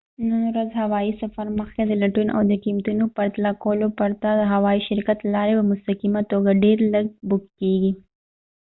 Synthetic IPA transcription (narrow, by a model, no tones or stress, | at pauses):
nənɾazhawɑisafaɾməxked̪əlaʈunʔa̰wd̪əkimt̪unopaɾt̪alakolopaɾt̪ad̪əɦawɑiʃɪɾkat̪lɑɾepəmʊst̪aqimat̪oɡaɖeɾləɡ̚bʊkkeɡi